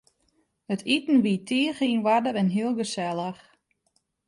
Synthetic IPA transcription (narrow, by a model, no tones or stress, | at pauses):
hətʰitn̩ʋitʰɪːəxinʋadərɛnɦiəlˠɡəsɛlˠəx